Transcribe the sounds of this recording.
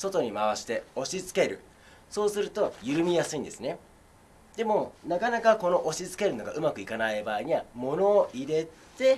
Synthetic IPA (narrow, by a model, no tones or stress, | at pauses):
so̞t̪o̞ɲ̟imaβaɕi̥t̪e̞o̞ɕit͡sɨ̥ke̞ɾɯ̟̰ | so̞ːsɨɾɯ̟t̪o̞jɯ̟ɾɯ̟mʲijasɨĩnd̪e̞sɨne̞ | d̪e̞mo̞nakanakako̞no̞ʔoɕit͡sɨ̥ke̞ɾɯ̟no̞ɡaʔɯ̟makɯ̟ikanaibaːiɲ̟iβamo̞no̞ːʔiɾe̞t̪e̞